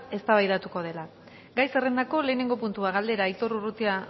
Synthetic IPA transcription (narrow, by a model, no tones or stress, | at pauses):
e̞st̪aβajðat̪uko̞ð̞e̞la | ɡajse̞re̞nd̪ako̞le̞ːne̞ŋɡo̞punt̪uaɣald̪e̞ɾait̪o̞ɾurut̪ia